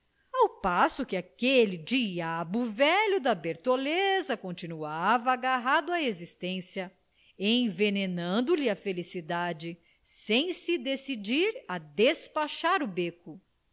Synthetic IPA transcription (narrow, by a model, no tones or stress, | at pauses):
awpasʊkɪakelid͡ʒiabʊvɛʎʊd̪ɐbeɾt̪olezɐkõt͡ʃinuavɐːɡaɦad̪ʊɐezist̪ẽsjɐ | ẽj̃venenɐ̃nd̪ʊlɪɐfelisid̪ad͡ʒɪ | sẽj̃sɪd̪esid͡ʒiɾɐd̪espaʃaɾʊbekʊ